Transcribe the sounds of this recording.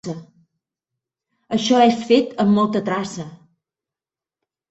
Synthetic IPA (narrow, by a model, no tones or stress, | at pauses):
ə | əʃɔɛsfet̪əmːɔlˠt̪ət̪ɾasə